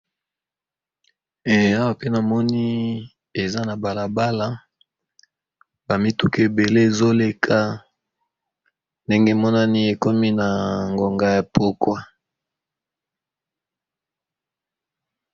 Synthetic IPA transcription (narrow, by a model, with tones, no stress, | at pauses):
e˨a˦wa˦pe˦na˨mɔ˦ni˦ | e˨za˦na˨ba˨la˨ba˦la˦ | ba˨mi˦tu˦ki˦e˨be˨le˦e˨zo˦le˨kʰa˦ | nde˦ŋɡe˦˨mɔ˦na˦ni˦e˨ko˦mi˦na˨ŋɡo˨ŋɡa˦ja˨po˦kwa˦